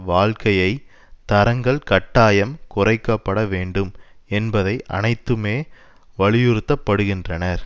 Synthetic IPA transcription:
ʋaːɻkɐjɐɪ | t̪ɐɾɐŋɡɐɭkɐʈːaːjɐmkʊrɐɪkːɐpːɐɽɐʋeːɳɖɯmɛnbɐðɐɪʔɐ̰nɐɪt̪ːɯmeː | ʋɐɭɪjɪɾɯt̪ːɐpːɐɽɯɣɪndrɐnɐɾ

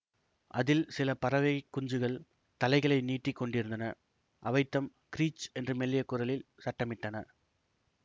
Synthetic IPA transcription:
ʔɐðɪlsɪlɐpɐɾɐʋɐɪkːʊɲd͡ʒɯɣɐɭ | t̪ɐlɐɪɣɐɭɐɪniːʈːɪkːɔɳɖɪɾɯnd̪ɐnɐ | ʔɐʋɐɪt̪ːɐm | kɪɾiːt͡ʃɛndrɯmɛlːɪjɐkːʊɾɐlɪlsɐʈːɐmɪʈːɐnɐ̰

